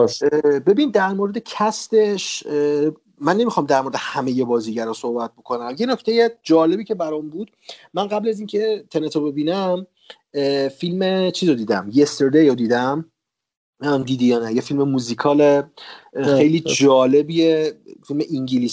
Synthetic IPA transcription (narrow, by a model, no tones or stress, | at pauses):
be̞bind̪æɾmoːɾe̞d̪ecʰæst̪e̞ʃ | mːænːe̞mixɒːmd̪æɾmoɾed̪ehæmeje̞bɒːziːɟæɾɒːso̞hbæt̪̚bo̞kʰo̞næmje̞nocʰt̪ʰejed͡ʒɒːle̞biːcʰe̞bæɾɔmbuːd̪̥ | mænɢæblæzincʰe̞t̪ʰenet̪ʰobe̞biːnæm | filmet͡ʃʰiːzod̪iːd̪æmjest̪eɾd̪ejod̪iːd̪æm | md̪iːd̪ijɒːnæjefilmemuzikʰɒːle | xe̞jliːd͡ʒɒːlebijefilmeʔiŋɟilis